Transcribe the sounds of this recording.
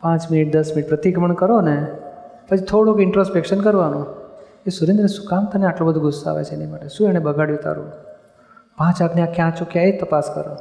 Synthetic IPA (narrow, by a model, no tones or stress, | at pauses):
pãt͡ʃmɪniʈ̚d̪əsmɪniʈ̚pɾət̪iɡməɳkəɾone | pət͡ʃit̪ʰoɽũkɪɳʈɾospekʃənkəɾʋanũ | esuɾẽnd̪ɾənesu̥kamt̪aneaʈlõbəd̪ʱũɡʊsːa̰ʋḛt͡ʃʰeenimaʈeʃũɛɽ̃ebəɡʱaɽjũt̪a̰ɾṵ̃ | bʱãt͡ʃakneakjãt͡ʃʰũkjãet̪əpaskə̰ɾo̰